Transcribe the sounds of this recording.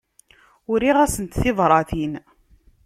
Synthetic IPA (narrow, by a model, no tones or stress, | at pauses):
ʊɾiʁæsənt̪θɪðˤɾˤɑθin